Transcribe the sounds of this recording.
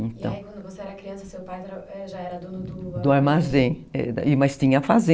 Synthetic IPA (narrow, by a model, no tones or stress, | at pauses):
ẽt̪ɐ̰̃w̃kwɐ̃nd̪ʊvoseɛɾɐkɾiɐ̃sɐsewpajɛɾɐɛʒaɛɾɐd̪od̪ud̪ʊaɾmazẽɛ̰d̪̰ɪmɐjst̪ĩɲɐfazẽ